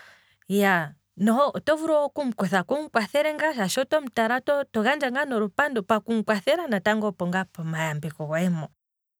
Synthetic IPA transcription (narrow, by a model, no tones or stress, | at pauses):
ja | nɔɔtɔvuɾɔwɔkum̩kɛθakuŋ̩kwaθɛɾɛŋɡaʃaʃɔtɔm̩taɾatɔtɔɣand͡ʒaŋɡanɔɾupandɔpakum̩kwaθɛɾanataŋɡɔpɔŋɡapɔmajambikɔwwɛmɔ